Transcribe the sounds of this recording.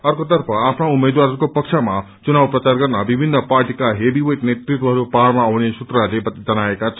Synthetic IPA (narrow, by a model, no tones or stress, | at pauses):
ʌrkot̪ʌrpʰʌapʰnoumːed̪waɾɦʌɾkopʌksʰʌma | t͡sunawprʌt͡sarɡʌrnʌbibʱinːʌparʈikaɦebiweʈnet̪rit̪wʌɦʌɾupaɾmaːwnesut̪rʌɦʌɾlebd͡zʌnaekat͡sʰ